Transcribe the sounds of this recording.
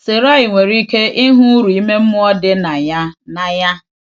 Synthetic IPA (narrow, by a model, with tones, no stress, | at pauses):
se˨ɾa˦ɪ˨ŋʷe˨ɾi˦kʰe˦ʔɪ˦ɦʊ̃˦ɾu˨i˦me˦m̩˦mʊ̃˦ɔ˦dɪ˦nã˨ɲa˦nã˨ɲa˦